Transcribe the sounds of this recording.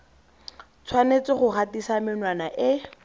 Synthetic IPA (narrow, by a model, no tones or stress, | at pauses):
t͡sʰwanet͡sɪχʊχatisamɪnwanaʔɪ